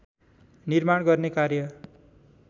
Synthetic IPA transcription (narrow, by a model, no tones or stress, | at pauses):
nirmaɽɡʌrnekaɾjʌ